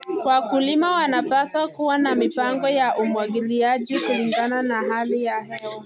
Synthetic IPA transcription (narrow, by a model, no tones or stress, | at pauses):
kwakulimawanapaswakuwanamipaŋɡɔjaʔumuwaɡiliaʄikuliŋɡananaɦalijahɛɔ